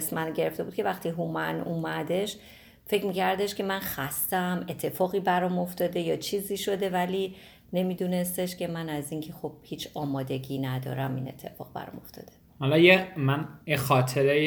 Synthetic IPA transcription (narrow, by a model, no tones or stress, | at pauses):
smænɟe̞ɾeft̪e̞bud̪kʰʲe̞væxt̪iːɦumænumæd̪e̞ʃ | fe̞cʰmiːcʰæɾd̪e̞ʃkʲʰe̞mænxæst̪æme̞t̪ʰːe̞fɒːɣiːbæɾɒmo̞ft̪ɒːd̪e̞jɒːt͡ʃʰiːziːʃo̞d̪e̞væliː | ne̞miːd̪une̞st̪eʃcʰe̞mænæziːŋcʰe̞xob̥̚hiːt͡ʃʰɒːmɒːd̪e̞ɟiːnæd̪ɒ̰ɾæmḭne̞̰t̪ʰːe̞̰fɒ̰ːɣbæ̰ɾɒ̰mo̞ft̪ɒ̰ːd̪̥e | hɒlɒjemænjexɒːt̪ʰeɾe